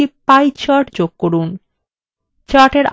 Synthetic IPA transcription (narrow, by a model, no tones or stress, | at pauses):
ipajt͡ɕaʈd͡ʑoɡ̚koɾun | t͡ɕaʈeɾ